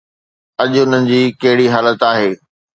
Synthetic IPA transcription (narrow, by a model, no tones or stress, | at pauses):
ɐʄʊn̤ənɪ̆d͡ʑiːkɐɦɪɽiɦaːlət̪aːɦeː